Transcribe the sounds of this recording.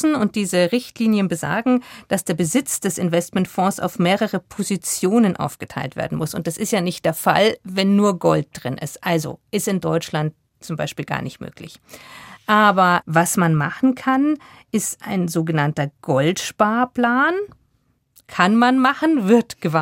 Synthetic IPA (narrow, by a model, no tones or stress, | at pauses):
n̩ʊnt̚d̥iːzəʁɪçtliːnjənbəza̰ːɡŋ̩d̥asd̥eːɐbəzɪt͡sd̥ɛsɪnvɛstmɛntfɔ̃ːsʔa̰ʊfmeːʁəʁəpʰozit͡sjoːnənʔa̰ʊfɡ̥ətʰaɪltv̥ḛːɐdn̩mʊsʊ̰ntd̥asɪstjaːnɪçtd̥eːɐfa̰lvɛnːuːɐɡɔlt̚d̥ʁɪnʔɪ̰stʔalzo̰ʔɪstɪndɔʏt͡ʃlant̚ | t͡sʊmba̰ɪʃpiːlɡa̰ːɐnɪçtmø̰ːklɪ̰çʔaːbɐvasmanmaχn̩kʰan | ʔɪstʔa̰ɪnzoːɡənantɐɡ̥ɔltʃpaːɐpl̥aːn | kʰanmanmaχn̩vɪɐtɡ̥əva